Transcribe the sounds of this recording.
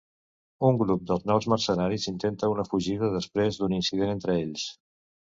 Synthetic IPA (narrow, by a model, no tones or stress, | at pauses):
uŋɡɾup̚d̪əlˠznɔwzmərsənaɾizint̪ent̪əunəfuʒiðəðəspɾezd̪uninsið̞enent̪ɾəeʎs